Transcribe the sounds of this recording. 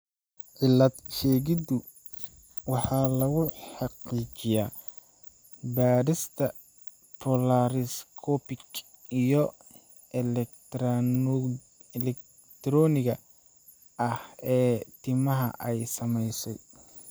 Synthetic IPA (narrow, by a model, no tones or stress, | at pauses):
ʕɪlːɐd̪ʃɛːɣɪd̪ʊ | wɑħɑːlɐɣʊħɑqiːt͡ʃɪjaː | baːɾɪst̪ʰɐ | pʰɔlaɾɪskʰɔːpɪɡ | ijɔ | ʔɛlɛkt̪ɾ | ɛlɛk | t̪ʰɾɔːnɪɣɐ | ɐhɛːt̪ʰɪmɐɦɐ̰ʔɛjsɐmɛjsɛj